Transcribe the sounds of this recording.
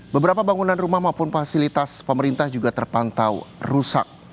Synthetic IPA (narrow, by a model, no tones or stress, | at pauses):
bəbəɾapabaŋunanrumahmaupʊnfasilit̪aspəməɾint̪ahd͡ʒuɡat̪ərpant̪awrusa̰k̚